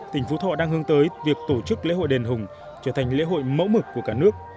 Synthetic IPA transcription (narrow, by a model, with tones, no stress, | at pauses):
t̪ï˧˩ŋ̟fu˨˦t̪ʰɔ̰˧˨ɗaː˧ŋhɨ˨˧əŋt̪əː˨˦jvi˨˩ək̚t̪o˧˩t͡ɕɨ˦˥k̚lḛ˧˥ho̰˧˨jɗe˨˩nɦʊ˨˩ŋ͡m | t͡ɕəː˧˩t̪ʰa˨˩jŋ̟lḛ˧˥ɦo̰˧˨jmə̰˧˥wmɨ˨˩kːu˧˩əkaː˧˩nɨ˦˥ək̚